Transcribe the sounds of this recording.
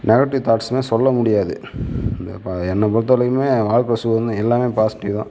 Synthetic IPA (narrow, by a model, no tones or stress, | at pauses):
nɛɣɐʈːɪʋt̪aːʈsmeːsɔlːɐmʊɽɪjaːðɯɪnd̪ɐ̰paɛnːɐpɔɾɯt̪̬ːɐlɐkːɯmeːʋaːɻkɾɐsuɐɾɐnd̪ɯɛlːaːmeːpaːsɪ̥ʈːɪðõ̰ː